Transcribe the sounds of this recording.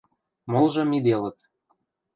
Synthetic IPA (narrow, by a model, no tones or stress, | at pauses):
molˠʒɤ̆mid̪elə̆t̪